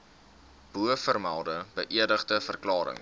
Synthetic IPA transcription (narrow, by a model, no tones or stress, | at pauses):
b̥uəfərmælˠdəbəʔiədəχdəfərklɑːɾə̰ŋ